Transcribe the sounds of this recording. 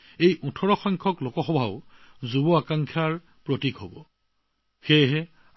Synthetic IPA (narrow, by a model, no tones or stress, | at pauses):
ejʔutʰɔɹɔxɔjŋkʰɔklokɔxɔbʱaʊ | zubɔakaŋkʰaɹ | pɹotikɦobɔ | xeɦɛ